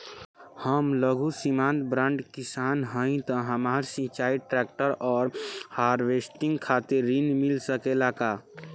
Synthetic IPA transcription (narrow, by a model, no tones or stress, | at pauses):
həmləɡʱusimãnt̪bɾãɳɖkisanɦə̃ɪ̃t̪ɔɦəmaɾsĩt͡ʃaiʈɾɛk̚ʈəɾɔːɾhaɾʋesʈiŋɡkʰat̪iɾːinmilsəkelaka